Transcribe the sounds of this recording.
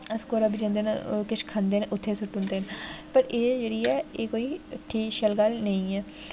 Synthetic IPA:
əskoːɾabid͡ʒə̃ːnd̪eːna̰kɪt͡ʃʰkʰand̪eːnʔʊt̪ʰːeːsʊʈʊ̃nd̪eːnpəɾeːd͡ʒeːɽiːɛːeːkoːiːʈʰːiːʃəlɡəlnəĩːɛː

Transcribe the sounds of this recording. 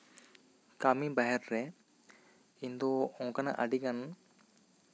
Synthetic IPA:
kamibaɦɛɾɾɛ | ind̪ɔɔ̃ŋkana̰ʔaɖiɡan

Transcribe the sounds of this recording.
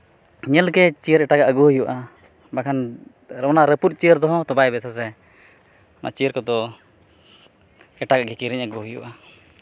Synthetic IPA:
ɲɛlkɛt͡ʃijəɾɛʈaɡaʔəɡuhujuʔa | bakʰan | ɾəɔnaɾəput̪̚t͡ʃijəɾd̪ɔɦɔ̃t̪ɔbajbɛsas̬ɛ | ɔnʔa̰ʔt͡ʃijəɾkɔd̪ɔ | ɛʈaɡaɡɛkiɾiɲəɡuɦujṵʔa

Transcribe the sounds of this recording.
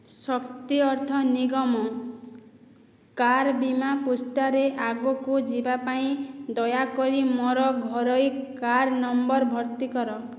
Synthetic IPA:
sɔkt̪iɔɾt̪ʰɔniɡɔmɔ | kaɾbimapusʈaɾeʔaɡokud͡ʒibapaĩd̪ɔjakɔɾimɔɾɔɡʱɔɾɔjkaɾnɔmbɔɾbʱɔɾt̪ikɔɾɔ

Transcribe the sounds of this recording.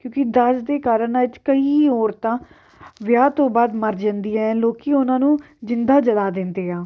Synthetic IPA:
kjõːkɪd̪əd͡ʒd̪eːkaːɾənat͡ʃkəiːoːɾt̪ãː | ʋjaːt̪õːbaːd̪məɾd͡ʒə̃nd̪iːɛ̃loːkiːʊnãːnũː | d͡ʒɪnd̪aːd͡ʒəlaːd̪ɪnd̪eːãː

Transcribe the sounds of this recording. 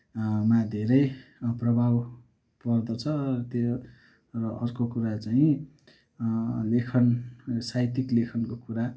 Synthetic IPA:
mad̪ʱeɾʌjprʌbʱaw | pʌrd̪ʌt͡sʰʌʌt̪jo | rʌʔʌrkokuɾat͡saĩ | lekʰʌnsajt̪iklekʰʌnkokuɾa

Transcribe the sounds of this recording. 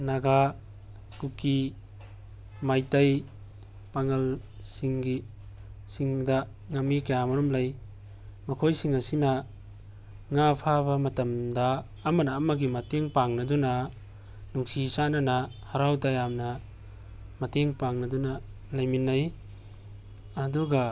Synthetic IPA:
naɡa | kuki | majtɐj | paŋɐl | siŋɡi | siŋdɐ | ŋɐmːikajamɐɾɔmlɐj | mɐkʰojsiŋɐsinɐ | ŋapʰabɐmɐtɐmdɐː | mɐnɐːmɐɡimɐteŋpaŋnɐdɔnɐ | nuŋsisanɐnahɐɾawtajamnɐ | mɐteŋpaŋnɐdɔna | lajminːaj | ɐduɡa

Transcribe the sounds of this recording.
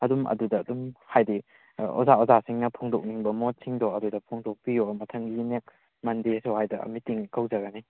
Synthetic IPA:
ɐdumɐ̰dudɐːdumhajdi | ɔ̰zaɔzasiŋnɐpʰuŋdok̚niŋbɐmot̚sʰiŋdɔɐdudɐpʰɔŋdok̚pijomɐtʰɐŋɡinek̚ | mɐndisowhajdɐ̰mitiŋkʰɐwzɐɡɐni

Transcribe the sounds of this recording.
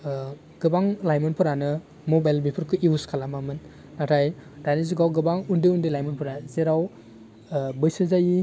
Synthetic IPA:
ɡ̥ɯbaŋlajmɔnpʰɯɾanɯ | mobajlbipʰɯɾkʰɯʔiuskʰalamamɯnː | atʰajdaniz̬uɡawɡɯbaŋundɯundɯjlajmɔnpʰɔɾazeɾaw | bɯjsɯzaji

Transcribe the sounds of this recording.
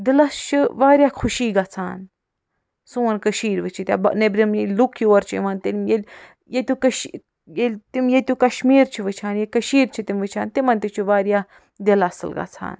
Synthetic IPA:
d̪ilɐst͡ʃʰɨʋaːɾʲjaːkʰuʃiːɡat͡sʰaːn | suːɐnkɐʃiːɾʋɨt͡ʃʰit̪ʲa̰ːbɐ̰nebɾimjelʲlukʰjioːɾt͡ʃʰiḭʋɐnt̪imjelʲ | jet̪ukɐʃ | jelʲt̪imjet̪ukɐʃmiːɾt͡ʃʰiʋɨt͡ʃʰaːnjekɐʃiːɾt͡ʃʰit̪imʋɨt͡ʃʰaːnt̪imɐnt̪it͡ʃʰiʋaːɾjaː | d̪elɐsɨ̰lɡa̰t͡sʰa̰ːn

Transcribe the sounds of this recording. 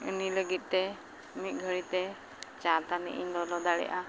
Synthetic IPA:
ṵniləɡit̪̚ˀt̪ɛ | mit̪̚ˀɡʱəɽit̪ɛ | t͡ʃãt̪anḭʔindɔlɔd̪aɽɛ̰ʔa

